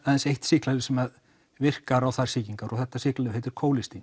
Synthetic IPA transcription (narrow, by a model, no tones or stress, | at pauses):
aðɛnsejht̪sɪːklaðʏsɛmað | vɪr̥kaɾawθaɾ̥siːciŋkaɾʔɔɣθɛht̪ːasɪːklaʏvhejt̪ʏɾ̥kʰoːwlɪst̪in